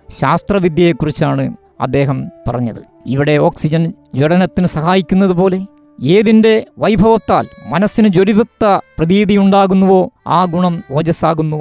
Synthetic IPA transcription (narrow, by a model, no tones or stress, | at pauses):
ɕaːst̪rɐʋid̪jɐjekːurit͡ɕːaːɳɨ | ɐ̰d̪ːe̞ːɦɐmpɐ̰rɐɲːɐðɨ̰ | iʋiɽe̞o̞ːksid͡ʑɐnd͡ʑoɽɐnɐt̪ːinɨsɐhaːjikʲːunːɐðupo̞ːle̞ | eːðinde̞ʋɐjbʱɐʋɐt̪ːaːlmɐnɐsːinɨd͡ʑoɾiðut̪ːɐprɐðiːðijuɳɖaːɣunːuʋo̞ːaːɡuɳɐmoːd͡ʑɐsaːɣunːu